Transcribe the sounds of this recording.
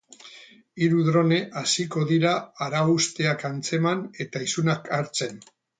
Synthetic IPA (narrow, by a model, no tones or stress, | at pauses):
iɾuðɾo̞ne̞ʔasiko̞ðiɾaːɾaust̪e̞akant͡se̞mane̞t̪aisunakʰaɾt͡se̞n